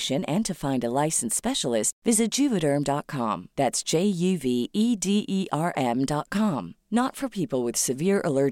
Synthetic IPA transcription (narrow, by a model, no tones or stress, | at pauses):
ʃɨ̃nɨ̃ntʰɨfãɪ̃ndəlaɪsn̩spɛʃl̩ˠɪstvɪzɨt̚d̥ʒ̥ʉvɨɾə̃˞mdɑt̚kʰɑ̰̃mðætsd̥ʒ̥eɪjʉviʔidiʔiʔɑɹʔɛ̃mdɑt̚kʰɑ̃mnətfə˞pʰipl̩ˠwɨð̥sɨvɪɹʔəlɜ˞